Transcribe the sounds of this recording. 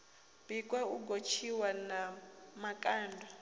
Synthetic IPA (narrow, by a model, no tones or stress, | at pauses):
b̥ikʼwauɡot͡ʃʰiwanamakʼaːndʱwa